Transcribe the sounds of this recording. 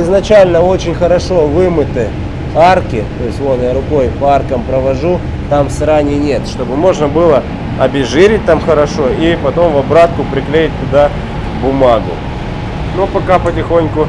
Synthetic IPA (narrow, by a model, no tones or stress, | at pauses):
ɪznɐt͡ɕælʲnəo̞t͡ɕɪnʲxəɾɐʂo̞vɨmɨt̪ɨ | arkʲɪt̪o̞ɪsʲtʲvo̞t̪jaɾʊko̞jpɐarkəmpɾəʋɐʐu | t̪amsɾanʲɪnʲet̪ʂt̪o̞bɨmo̞ʐnəbɨlˠə | ɐbʲɪʐɨɾʲɪt̚ʲt̪amxəɾɐʂo̞ipɐt̪o̞mvɐbɾat̪̚kʊpɾʲɪklʲejɪt̚ʲt̪ːʊd̪a | bʊmaɡʊ̰ | nopɐkapətʲɪxo̞nʲkʊ